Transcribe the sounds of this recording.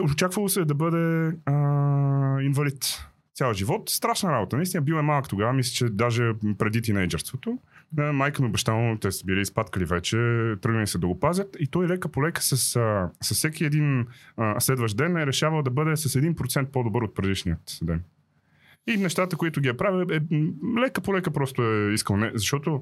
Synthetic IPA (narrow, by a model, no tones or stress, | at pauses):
ʊt͡ʃakvəlˠosɛd̪ɐbɤd̪ɛə | invɐlit̪ʲ | jalˠəʒivɔt̪st̪ɾaʃnəɾabot̪ənɐist̪inəbiəɛmalˠkə̥t̪oɡavəmislʲɛt͡ʃɛd̪aʒɛpɾɛd̪it̪inɛjd͡ʒɛɾst̪vot̪omajkəmiobɛʃt̪anˠot̪ɛsə̥biliːspat̪kəlivɛt͡ʃɛt̪ɾɤɡnəlisɛd̪ɐɡopazʲət̪it̪ɔjilɛkəpolɛkə̥sɐssɐssɛkʲiɛd̪inslɛd̪vəʃd̪ɛnɛɾɛʃavəlˠd̪ɐbɤd̪ɛsɐsɛd̪inpɾot̪sɛnt̪̚pod̪obɤɾot̪̚pɾɛd̪iʃniət̪d̪ɛn | inɛʃt̪at̪əkoit̪ʊɡʲiɐpɾaviɛlɛkəpolɛkəpɾɔst̪ʊɛiskəlˠnɛzɐʃt̪ɔt̪o